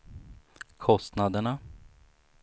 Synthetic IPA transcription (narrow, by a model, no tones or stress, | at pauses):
kʰɔst̪nad̪əɳa